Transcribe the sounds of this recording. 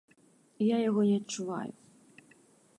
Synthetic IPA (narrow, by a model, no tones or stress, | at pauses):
jajaɣɔnʲɛɐtt͡ʂːuva̰jṵ